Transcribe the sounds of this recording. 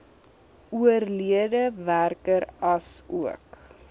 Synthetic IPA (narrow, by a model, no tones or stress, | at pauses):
uərliədəværkəɾɐsuək